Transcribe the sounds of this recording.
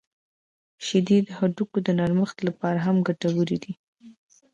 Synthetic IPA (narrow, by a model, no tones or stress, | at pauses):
ʃad̪id̪haɖukod̪ənaɾməxt̪lapɑɾaɦamɡaʈawəɾid̪i